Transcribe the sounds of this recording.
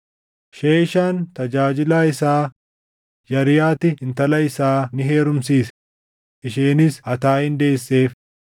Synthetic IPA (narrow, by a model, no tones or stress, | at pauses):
ʃeːɪʃaːnt̪ɐd͡ʒaːd͡ʒɪlaːɪsaː | jɐɾɪjaːt̪ɪɪnt̪ɐlɐɪsaːnɪɦe̞ːɾʊmsiːs | ʔɪʃeːnɪshɐt̪aːɪnd̪eːsːe̞ːf